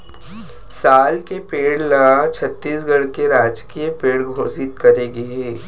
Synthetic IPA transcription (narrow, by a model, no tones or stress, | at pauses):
saːlkepeːɽlɐat͡ʃʰɐt̪ːiːsɡɐɽkeɾaːd͡ʒkijəpeːɽɡʱoːsɪt̪̚kɐɾeɡeɦɛː